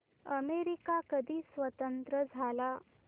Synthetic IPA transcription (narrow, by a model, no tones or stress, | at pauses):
əmeɾikakəd̪ʱiːsʋət̪ənt̪ɾəd͡zʱala